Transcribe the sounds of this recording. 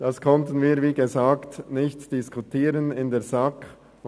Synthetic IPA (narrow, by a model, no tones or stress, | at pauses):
d̥ɑskʰɔntən̩viːviːɡezaːktnɪçtd̥ɪskʰutʰiːɾənɪndeːzɑk